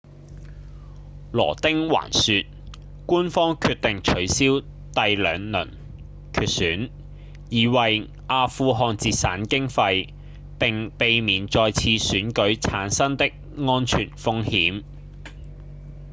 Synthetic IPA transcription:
lɔ̰ː˨˩t̪ɪ˥ŋwa̰ː˨˩nsyː˧t̚ | kuː˥nfɔː˥ŋkʰyː˧t̚t̪ɪ˨ŋt͡ʃʰɵ˨˥ɥsiː˥w | t̪ɐ˨˧jlœ̰ː˨˧ŋnɵ̰˨˩n | kʰyː˧t̚syː˨˥n | jiː˨˧wɐ˨j | ʔaː˧fuː˧ɦɔː˧nt͡siː˨˧tsaː˨˥nkɪ˥ŋfɐ˧j | pɪ˨ŋpe˨jmiː˨˩nt͡sɔː˧jt͡sʰiː˧syː˨˥nkɵ˨˥ɥt͡sʰaː˨˥nsɐ˥ŋt̪ɪ˥k̚ | ŋɔː˥nt͡ʃʰy̰ː˨˩nfʊ˥ŋhiː˨˥m

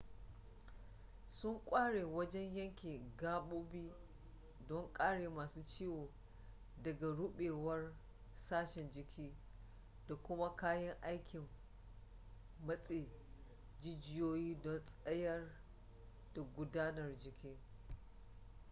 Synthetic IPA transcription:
sʊ˦ŋkʷʼaː˦ɽeː˨wɐ˦d͡ʒɛ˦ɲjɐ˦ŋkʲeː˨ɡaː˦ɓuː˦biː˦ | dɔ˦ŋkʼaː˦ɽeː˨maː˨suː˦t͡ʃiː˦woː˨ | dɐ˨ɡa˨ɽʊ˦ɓeː˨wɐ˦r | saː˦ʃɛ˨nd͡ʒɪ˨kʲʰiː˦ | da˨kʷʊ˦ma˦kaː˦jɐ˦ŋʔa˦jkʲɪ˨m | ɐ˦sʼeː˨ | d͡ʒɪ˦d͡ʒɪ˦joː˦jiː˦dɔ˦nsʼɐ˦jɐ˦r | d̥a˨ɡʷʊ˦daː˦nɐ˨rd͡ʒɪ˨kʲiː˦

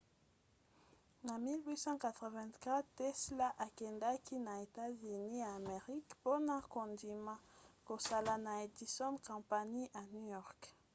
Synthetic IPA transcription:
na˨mi˦lwi˦sɑ̃˦ka˨t̪ʁɛ˨vɛ̃˨ntka˦ttɛ˦sla˦ʔa˨kɛ˨nda˦kʰi˦na˨e˨ta˦zy˨ni˦aː˨me˨ʁi˦kpo˦na˦ko˨ndi˨ma˦ko˨sa˦la˨na˨e˨di˨sɔ̃˦nkɔ̃˨pa˨ɲi˦ʔa˨nu˦jɔ˦ʁk

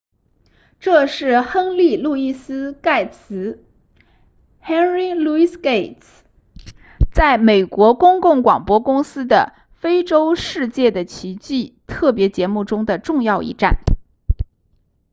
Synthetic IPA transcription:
ʈ͡ʂɤ˥˧ʂɻ̩˥˩xə˥ŋli˥˧lu˥˧i˥˩sɹ̩˥ka˥˩ɪt͡sʰɹ̩˧˥ | xɛ˥nɹi˥lu˥˧i˥ske˥˩ɪt | t͡sa˥˩ɪme˨˩ɪkwɔ˧˥kʊ˥ŋkʊ˥˩ŋkwɑ̰˨˩ŋpwɔ˥kʊ˥ŋsɹ̩˥d̪ə̰˨ | fe˥ɪʈ͡ʂo˥ʊʂɻ̩˥˧t͡ɕjɛ˥˩d̪ə˩t͡ɕʰi˧˥t͡ɕi˥˧t̪ʰɤ˥˩pjɛ˧˥t͡ɕjɛ˧˥mu˥˩ʈ͡ʂʊ˥ŋd̪ə˨ʈ͡ʂʊ˥˧ŋjɑ˥˧ʊʔḭ˥˧ʈ͡ʂa̰˥˩n

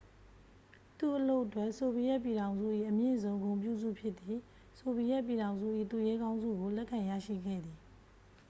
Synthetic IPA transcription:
t̪u˦˨ʔəlo˦ʊʔətwɛ˦ʔso˨bi˨jɛ˦ʔp̬ji˨ɾã˨ʊ̃nzṵ˦˨ʔḭ˦˨ʔəmjɪ̰̃˦˨zõ˦ʊ̃ŋɡõ˨ʊ̃mp̬jṵ˦˨zṵ˦˨pʰjɪ˦ʔt̪ːi˨ | so˨bi˨jɛ˦ʔpji˨ɾã˨ʊ̃zṵ˦˨ʔḭ˦˨t̪u˨jɛ˦ɡã˦ʊ̃nzṵ˦˨ɡo˨lɛ˦ʔkʰã˨jä̰˦˨ʃḭ˦˨ɡɛ̰˦˨d̪ði˨

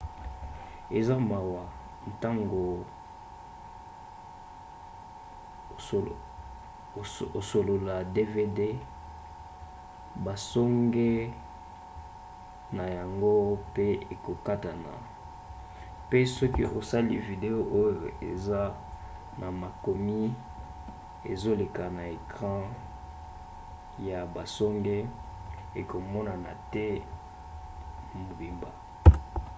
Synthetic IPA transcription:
e˨za˦ma˨wa˨ | n˨ta˦ŋɡo˨ | o˨so˨lo˨la˨de˦ve˦de˦ | ba˨sɔ˦ŋɡe˦ | na˨ja˨ŋɡo˦pe˦e˨ko˨ka˦ta˨na̰˨ | pe˦sɔ˦ki˦ʔo˨sa˦li˦vi˨de˨o˦ʔo˦jo˨ḛ˨za˦ | na˨ma˨ko˨mi˦ | e˨zo˦le˨ka˨na˨e˨kʁã˦ | ja˨ba˨sɔ˦ŋɡe˦ | e˨ko˨mɔ˦na˨na˨tɛ˦ | mo˨bi˨mba˨

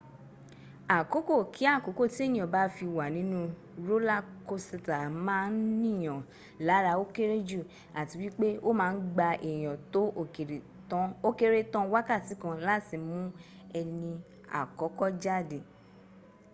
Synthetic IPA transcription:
a˨ko˨˦ko˦˨kʰi˨˦a˦˨ko˨˦ko˦˨ti˦e˦˨jĩ˨ɔ˨ba˨˦fi˧wa˨nĩ˨˦nũ˦ | ɾo˦la˦ko˦si˧ta˨mãː˦n̩˦nĩ˦˨j̃ɔ̃˨ | la˨˦ɾa˧o˦ke˦ɾe˦d͡ʒu˦˨ | a˨ti˨˧wi˦k͡pe˦o˦mãː˦˧˦n̩˦ɡ͡ba˧ʔɛ˨j̃ɔ̃˨to˨˦˨e˨ɾe˨˦ | o˦ke˦ɾe˦tɔ̃˦wa˦ka˦˨ti˨˦kã˧la˦ti˨mũ˦ | ɛ˧nĩ˧ | a̰˨kɔ˨˦kɔ˦d͡ʒa˦˨de˨

